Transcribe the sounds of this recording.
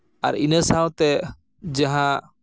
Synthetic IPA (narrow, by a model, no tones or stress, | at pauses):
a̰ɾinəsawt̪ɛ | d͡ʒaɦã